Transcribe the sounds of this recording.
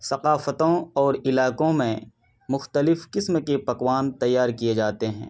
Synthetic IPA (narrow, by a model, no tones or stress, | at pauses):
sɐqaːfət̪õɔːɾɪlaːkõmẽ | mʊxt̪əlɪfkɪsmkepɐkwaːnt̪ɐjːaːɾkied͡ʒaːt̪eɦɛ̰̃ː